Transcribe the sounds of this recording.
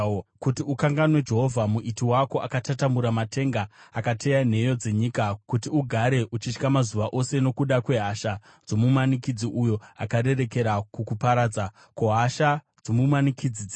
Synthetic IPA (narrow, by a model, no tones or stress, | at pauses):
kutiukaŋɡanwe̞d͡ʒe̞ɦo̞vʱamuʔitiwako̞ʔakatatambuɾamate̞ŋɡaakate̞jan̤e̞jo̞d͡ze̞ɲikakutiuɡʱaɾe̞ʔut͡ʃit͡ʃkamazuʋaʔo̞se̞no̞kuɗakwe̞ɦaʃa | d͡zo̞mumanikid͡ziʔujo̞akaɾe̞re̞ke̞ɾakukupaɾaːd͡za | koɦaʃa | d͡zomumanikid͡zid͡z